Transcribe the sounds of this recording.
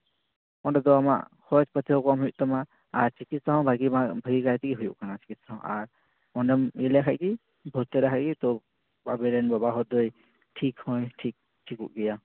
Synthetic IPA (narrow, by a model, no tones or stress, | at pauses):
ɔnɖɛd̪ɔama̰ʔkɔt͡ʃpət̪ʰiɦɔkɔmɦujuʔt̪ɔma | aɾt͡ʃikit̪̚saɦɔ̃bʱaɡibʱaɡikajt̪iɡiɦujṵʔkanat͡ʃi̥kit̪saɦɔ̰̃ʔaɾ | ɔnɖɛmilakʰaʔɡi | bʱɔt̪ɛɾakʰaʔɡit̪ɔ | babɛɾɛnbabaɦɔd̪ɔj | ʈʰikhɔjʈʰik̚ | ʈʰikṵʔɡɛja